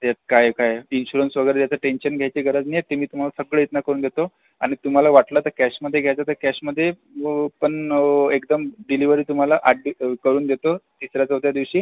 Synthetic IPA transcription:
t̪jat̪̚kajkajinɕuɾənsʋəɡəɾd̪jat͡səʈenɕənɡʱjajt͡seɡʱəɾəd͡znijet̪ːemiːt̪um̤alasəɡɭəet̪nakəɾuːnd̪ʱet̪o | a̰ɽ̃it̪um̤alaʋaʈlət̪əɾkæɕməd̪ʱːjeɡʱjajt͡sat̪əɾkæɕməd̪ʱːje | pəɳekd̪əmɖiliʋəɾiːt̪um̤alaʔaʈɖkəɾuːnd̪et̪ot̪isɾjat͡səwt̪jad̪iʋɕiː

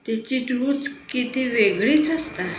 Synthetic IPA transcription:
t̪et͡ɕiʈut͡skit̪iʋeɡɭit͡sast̪a

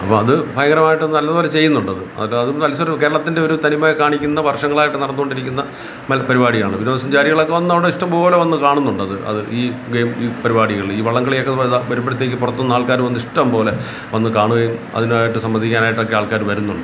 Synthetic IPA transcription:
ɐpːoːmɐðɨbʱɐjɐŋɡɾɐmaːjiʈːenːɨnɐlːɐðoːlet͡ɕe̞jːunːuɳɖɨɐðɨɐ̰ɐðuʋɐlɐsoɾke̞ːɾɐɭɐt̪ːinde̞oɾut̪ɐnimːajkaːɳikʲːunːɐʋɐrʂɐŋːɐɭaːjiʈːɨnɐɽɐnːuɣoɳɖiɾikʲːunːɐ | mɐpɐɾibaːɽiɣaːɳɨʋinoːðɐsɐmd͡ʑaːɾiɣɐɭokːeʋɐnːɐʋɳɖiʂʈɐmpo̞ːle̞ʋɐnːɨkaːɳunːuɳɖɨɐðɨʔɐ̰ðɨʔiːɡeːmiːpɐɾibaːɽiɣɐɭiːʋɐɭːɐŋɡɐɭijokːeðabɐɾumbɐɾɐt̪ːe̞ːk̬ʲːɨpurɐt̪ːunnaːɭkaːɾumʋɐnːɨiʂʈɐmpo̞ːle̞ | ʋɐnːɨkaːɳuɣɐjumɐ̰ðinaːjiʈːɨsɐmbɐd̪ikʲːaːnaːjiʈːokːeaːɭkaːɾʋɐɾunːuɳɖɨ

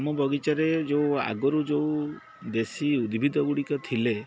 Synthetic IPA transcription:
mɔbʱɔɡit͡ʃaɾed͡ʒeua̰ɡɔɾud͡ʒew | d̪esiud̪bʱid̪ʱɔɡuɽikɔt̪ʰile

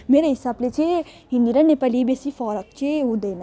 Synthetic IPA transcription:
meːɾeɦisaːblet͡ʃʰeɦĩnd̪iɾanːepɐlibesifɔːɾəkt͡ʃeɦud̪eːna

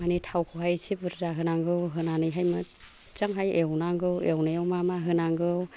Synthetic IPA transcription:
manitʰawkʰɯɦajsib̚ɯɾzaɦɯnaŋɡɯwɦɯnanɯjɦajmɯ | zaŋɦajewnaŋɡɯwḛwnajewmamaɦɯnaŋɡɯw

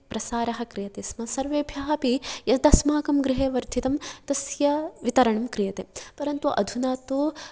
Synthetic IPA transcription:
pɾɐsaːɾɐɦɐ̆kɾijɐt̪eːsmɐsɐɾʋeːbʱjaːɦɐpijɐd̪ɐsmaːkɐmɡɾɪɦeːʋɐɾd̪ʱit̪ɐmt̪ɐsjɐʋit̪ɐɾɐɳɐmkɾijɐt̪epɐɾɐnt̪uʔɐ̰d̪ʱunaːt̪oː

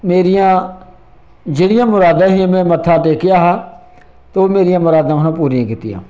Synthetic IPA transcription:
meːɾɪjãː | d͡ʒeɽɪjãːmʊɾaːd̪ãːɦɪãːmɛ̃ːmət̪ʰːaːʈeːkɪjaːɦaː | t̪omeːɾɪjãːmʊɾaːd̪ãːnãːpuːɾijãːkɪt̪ijã̰ː

